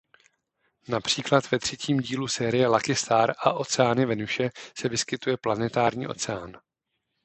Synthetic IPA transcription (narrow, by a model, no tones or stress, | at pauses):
napr̝̥iːklat̪vɛt̪r̝̥ɛciːmɟiːlusɛːɾɪjɛlakɪst̪aːɾʔaʔo̞t͡sɛaːnɪvɛnuʃɛsɛvɪskɪt̪ujɛplanɛt̪aːɾɲḭːʔo̞̰t͡sɛa̰ːn